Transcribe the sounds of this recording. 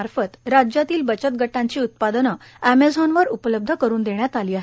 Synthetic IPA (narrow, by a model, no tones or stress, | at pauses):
aɾfət̪ɾad͡ʑjat̪iːlbət͡ɕət̪ɡʱəʈːãɲt͡ɕiːut̪̚pad̪ənə | æmed͡zʱɔnʋəɾupələb̚d̪ʱəkəɾuːnd̪eɳjat̪aliːaɦe